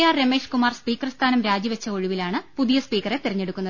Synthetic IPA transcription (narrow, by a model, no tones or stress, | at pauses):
jaːrɾeme̞ːʂkumaːrspiːkɐrst̪ʰaːnɐmɾaːd͡ʑiʋet͡ɕːɐoɻiʋilaːɳɨpuðijɐspiːkːɐret̪irɐɲːe̞ɽukːunːɐð